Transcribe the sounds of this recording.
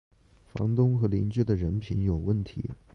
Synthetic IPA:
fɑ̰˧˥ŋt̪ʊ˥ŋxɤ˧˥li˧˥nt͡ɕɥɛ˥˩d̪ə˨ɻə˧˥npʰi˧˥njo˨˩ʊwə˥˩nt̪ʰḭ˧˥

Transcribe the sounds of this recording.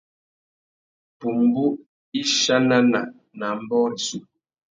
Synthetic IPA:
pu˨m̩˨bu˦ʔ | i˦ʃa˦na˦na˨ʔ | na˨m̩˦bɔ˦ɾi˨su˦

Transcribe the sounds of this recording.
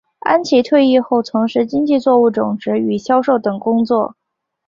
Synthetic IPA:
a̰˥nt͡ɕʰi˧˥t̪ʰwe˥˧ɪi˥˧xo˥˩ʊt͡sʰʊ˧˥ŋʂɻ̩˥˧t͡ɕi˥ŋt͡ɕi˥˧t͡swɔ˥˧u˥˩t͡sʊ˨˩ŋʈ͡ʂɻ̩˧˥y˨˩ɕjɑ˥ʊʂo˥˩ʊt̪ɤ˨˩ŋkʊ˥ŋt͡swɔ˥˩

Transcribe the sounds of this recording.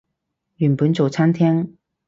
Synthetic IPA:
ɥy˨˩npu˨˥nt͡so˨˩t͡sʰa˥nt̪ʰjɛ˥ŋ

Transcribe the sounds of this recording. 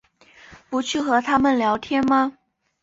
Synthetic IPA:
pu˧˥t͡ɕʰy˥˩xɤ˧˥t̪ʰa˥mə˨nljɑ˧˥ʊt̪ʰjɛ˥nma˧

